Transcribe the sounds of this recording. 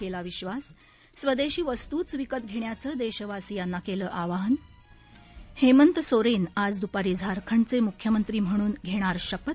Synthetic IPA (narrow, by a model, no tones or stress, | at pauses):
elaʋiɕʋasː | ʋəd̪eɕiːʋəst̪uːt͡sʋikət̪̚ɡʱeɳjat͡səːd̪eɕəʋasijanːakeləːʔaʋaɦən | hemənt̪soɾenad͡zd̪upaɾiːd͡zʱaɾkʰəɳt͡semukʰjəmənt̪ɾiːm̤əɽ̃uːnɡʱeɽ̃aɾɕəpət̪̚